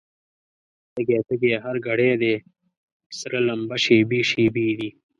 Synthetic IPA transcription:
t̪ɐɡeːt̪ɐɡeːɦɐɾɡɐɽeːd̪eː | sɾɐlɐmbɐʃeːbiːʃiːbiːd̪i

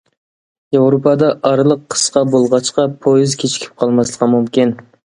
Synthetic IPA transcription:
jevɾopʰɑd̪ɑʔɑɾlˠəqʰːə̥sqɑbolˠʁɑt͡ʃqɑpʰojɪzkʲʰet͡ʃʰi̥kʲʰi̥p̚qʰɑlˠmɑslˠəqɑmumkʲin

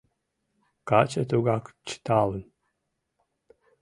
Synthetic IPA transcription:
kat͡ʃɐt̪ʰuɡakt͡ʃʰi̥t̪ʰaːlɨn

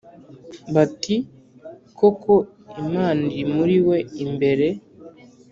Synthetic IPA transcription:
βati | kʰoko | imaːndimuɾiwe̞imbe̞ɾe̞

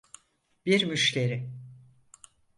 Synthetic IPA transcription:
biɾmyʃce̞ɾɪ

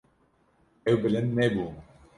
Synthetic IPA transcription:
ɛwbɨlɨnd̪̚nɛbuː

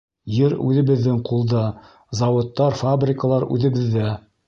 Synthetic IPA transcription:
jɘɾʉ̰ðɘ̆βɘ̆ðːɘŋqʰulˠd̪ɑ | zɑwŏt̪ːɑɾfabrʲɪkəlˠɑɾʉ̰ðɘ̆βɘ̆ðːæ

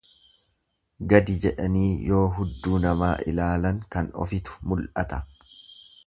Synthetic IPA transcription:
ɡɐd̪ɪd͡ʒɛᶑɐniːjo̞ːɦʊd̪ːuːnɐmaːʔɪ̰laːlɐŋkɐnɔ̰fɪt̪ʊ̥mʊlʔɐt̪ɐ

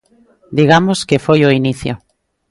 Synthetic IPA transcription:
d̪iɣamoskefojoiniθjo

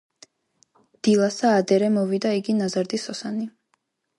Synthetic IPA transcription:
d̪̥ilˠasaːd̪ɛɾɛmɔvid̪aiɡinazaɾd̪isɔsani

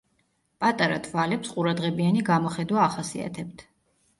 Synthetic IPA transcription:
pʼat̪ʼaɾat̪ʰvalɛpsqʼuɾad̪ʁɛbianiɡamɔχɛd̪waːχasia̰t̪ʰɛb̚t̪ʰ

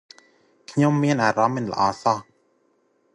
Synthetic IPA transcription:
kʰɲomːiənʔaːɾaminla̰ʔaːsɑ

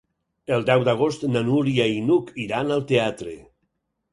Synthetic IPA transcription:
elˠd̪ɛwd̪aɣ̞ost̪nanuɾiainukiɾanalˠt̪eat̪ɾḛ

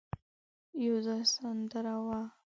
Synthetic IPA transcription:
jozasand̪əɾawa

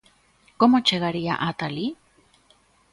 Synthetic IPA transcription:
komot͡ʃeɣaɾia̰ʔat̪ali

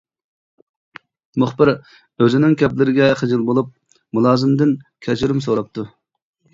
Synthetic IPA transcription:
mʊχbɪɾ | øzɪnɪŋkʲʰɛplɪɾɪɡʲɛχəd͡ʒɪlˠbolˠup̚ | mulˠɑːzɨmd̪ɪnkʲʰɛt͡ʃʰɾymsoɾɑp̚t̪ʰu

